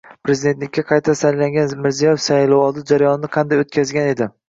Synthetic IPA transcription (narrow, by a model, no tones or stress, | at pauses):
pɾe̞zid̪et̪lɪkʲːaqʰɑjt̪ʰasajlaŋɡʲanmɪɾzijɒjefsalʊwɒlˠd̪ɪd͡ʒaɾajɒnɪnɪqʰɑnd̪ajot̪̚kʲʰazɡʲane̞d̪ɪ